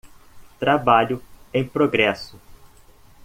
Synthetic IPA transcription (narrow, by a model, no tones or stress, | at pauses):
t̪ɾabaʎʊẽj̃pɾoɡɾɛsʊ